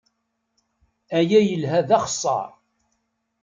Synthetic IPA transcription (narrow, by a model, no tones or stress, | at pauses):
æjæjəlɦæðæχə̥sˤːɑ̰ɾˤ